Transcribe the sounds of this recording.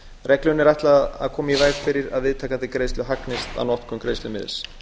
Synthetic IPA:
rɛklʏnːɛɾajht̪laa̰ðkʰɔːmaivaːjɣfɪɾɪɾa̰ðvɪðt̪ʰaːkaθɪkɾejst̪lʏɦaknɪst̪a̰wnɔht̪kʰʏmkɾejst̪lʏmɪ̰ðɪ̰s

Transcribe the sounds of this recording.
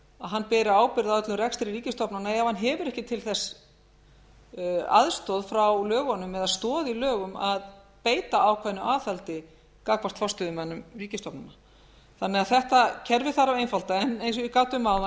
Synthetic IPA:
aðɦanːpɛːɾɪaːwpɪɾðaœt̪lʏmrɛkst̪ɪɾiɾiːcɪst̪ɔpnanaɛavhanɦɛːvʏɾɛhcɪt̪ʰɪlθɛsː | a̰ðst̪ɔðfɾawlœːɣanʏmːɛðaðst̪ɔːðilœːɣʏmað | peːjt̪aawkʰvaðnːʏaːθɛlt̪ɪ | kakvast̪fɔst̪ʏðʏmɛnːʏmriːcɪst̪ɔpnana | θanːɛɣaðθɛht̪acʰɛɾvɪ̥θaɾavejnfalt̪aɛnejns̬ikaːwt̪ʏmːaːwla

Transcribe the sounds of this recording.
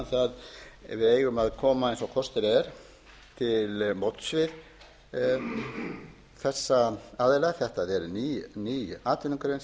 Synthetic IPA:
θaðvɪeːjɣʏmaðkʰɔːmaejnsɔwkʰɔst̪ɪɾɛɾ̥ | t̪ʰɪlmowt̪svɪð | θɛsːaaːðɪlaɣθɛht̪aðɛɾniːniːjaːt̪ʰɪniŋkɾejns

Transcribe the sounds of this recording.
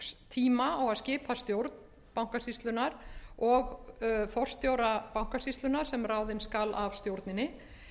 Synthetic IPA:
st̪ʰiːmaːwaðscɪːpʰast̪jowɾt̪n | pawŋ̥kasist̪lʏnaɾɔɣfɔr̥st̪jowɾapawŋ̥kasist̪lʏnaɾ̥sɛmraːwðɪnskalavst̪jowɾt̪nɪnːɪ

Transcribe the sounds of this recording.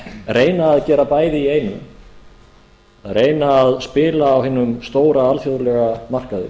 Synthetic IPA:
reːjnaːðcɛːɾapaːjðɪiejnʏ | ɾeːjnaːðspɪːlaːwɦɪːnʏmst̪oːwɾaalfjowðlɛɣamar̥kaðʏ̰

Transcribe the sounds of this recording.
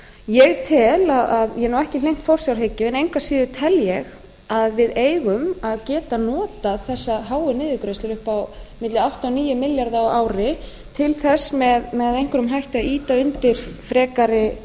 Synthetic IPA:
jɛɣt̪ʰɪlaðaðjɛnawɛhcɪlejŋ̥t̪fɔwr̥sjawɾɦecːɪɛnejŋkasiːðʏt̪ʰɛljɛɣ | aðvɪðeːjɣʏmaðcɛːt̪anɔːt̪aθɛsːaɦaːwʏnɪːðɪkɾest̪ɪɾʏhpawmɪt̪lɪawht̪awniːjʏmɪljaɾðaawaːwɾɪ | t̪ʰɪlθɛsːmɛðmɛðejŋ̥kʏɾʏmɦajht̪aiːt̪aʏnt̪ɪɾ̥fɾɛːkaɾɪ

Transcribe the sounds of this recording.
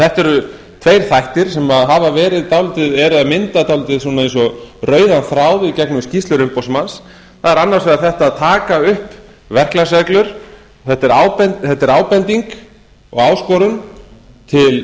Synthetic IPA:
θɛht̪ɛɾʏ | t̪ʰvejɾ̥θajht̪ɪɾ̥sɛmaðɦavavɛːɾɪðt̪awlt̪ɪðɛɾɪðaðmɪnt̪at̪awlt̪ɪðsuːnaẽnsɔrœːɥðanθɾaːwðɪðcɛknʏmscist̪lʏɾʏmpowsmans | θaðɛɾanːaɾ̥svɛːðaɾθɛht̪aðt̪ʰaːkaʏhp | vɛr̥klas̬ɛklʏɾ̥ | θɛht̪ːɛɾaːwpɛnθɛt̪ːɛɾaːwpɛnt̪iŋk | ɔ̰ɣaːwskɔɾʏn | t̪ʰɪl

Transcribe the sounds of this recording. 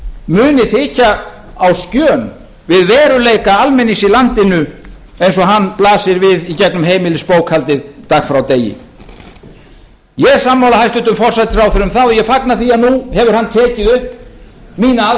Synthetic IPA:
mʏːnɪθɪːcaː | wscœːn | vɪðvɛːɾʏleːjkaalmɛnːɪsilant̪ɪnʏ | ejnsɔɦanːplaːsɪɾvɪðicɛknʏmɦeːjmɪlɪspoːwkhalt̪ɪðt̪axfɾawt̪eːjɪ̰ | jɛ̥samːawlahajst̪ʏt̪ʏmfɔr̥sajt̪fawθɪɾʏmθaðɔjɛfaknaθiːanuhɛvʏɾ̥hant̪ʰɛːcɪðʏhpmiːna

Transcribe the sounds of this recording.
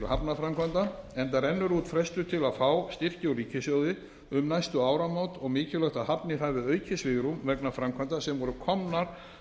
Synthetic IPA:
hapnafɾamkʰvant̪aɛnt̪aɾɛnːʏɾuːt̪fɾɛst̪ʏt̪ʰɪlaðfaːwst̪ɪr̥cɪɔɾiːcɪsjœːwðɪ | ʏmnajst̪ʏaːwɾamaːwt̪ɔɣmɪːcɪlœht̪aɦapnɪɾ̥havɪœːɥcʰɪsvɪɣɾumvɛknafɾamkʰvant̪asɛmvɔɾʏkʰɔmnaɾ̥

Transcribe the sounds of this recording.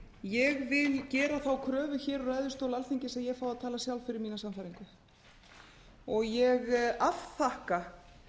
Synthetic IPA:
jɛɣvɪðcɛːɾaθawkʰɾœːvʏçɛːɾɔrajðʏst̪owlalθiɲcɪsɛmjɛɣfaːwaðt̪ʰaːlasjawlfɪɾɪɾmiːnasamfajɾiŋkʏ | ɔɣjɛɣafθahka

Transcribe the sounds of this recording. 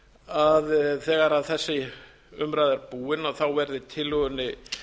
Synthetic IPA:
aðθɛːɣaɾaðθɛsːɪ | ʏmɾaːjðaɾpuːɪnaɣθawvɛɾðɪt̪ʰɪlʏɣʏnːɪ

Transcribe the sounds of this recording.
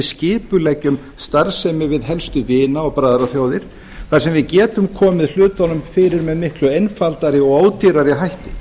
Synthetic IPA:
ðscɪːpʏlɛcːʏm | st̪aɾsɛmɪɾvɪðɦɛlst̪ʏvɪːnaɔɣpɾaːðɾaθjoːwðɪɾ̥ | θasɛmvɪðcɛːt̪ʏmkʰɔːmɪðl̥ʏːt̪anʏmfɪɾɪɾmɛðmɪhklʏejnfalt̪aɾɪɔɣaːwt̪iɾaɾɪɦajht̪ɪ̥

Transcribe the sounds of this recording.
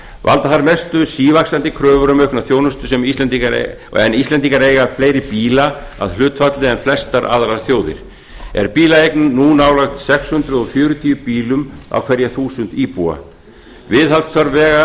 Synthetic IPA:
va̰lt̪aθaɾmest̪ʏsiːvaksant̪ɪkʰɾœːvʏɾʏmœɥhknaθjoːwnʏst̪ʏsɛmist̪lɛnt̪iaɾ̰ | ɛnist̪ɛnt̪iŋkaɾejɣafleːjɾɪpiːla | a̰ðlʏːt̪fat̪lɪɛnflɛst̪aɾʔa̰ðɾaɾθjoːwðɪ̰ɾ̥ | ɛ̰ɾ̥piːlaejknnunaːwlaxt̪sɛkshʏnt̪ɾʏðɔfjœːɾʏt̪ʰiːʏpiːlʏma̰wkʰvɛɾjaθuːsʏnt̪iːpua̰ | vɪðhalt̪faɾvɛːɣa

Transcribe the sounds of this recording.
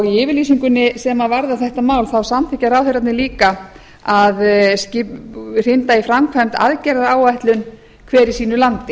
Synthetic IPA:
ɔɣiɪːvɪɾliːsiŋkʏnːɪsɛmavaɾðaθɛht̪amaːwlθawsamθʰɪːcːaɾawθœɾat̪nɪliːka | aðscɪr̥ɪnt̪aifɾamkʰvajmt̪a̰ðcɛɾaðaːwajht̪lʏn | kʰvɛːɾisiːnʏlant̪ɪ

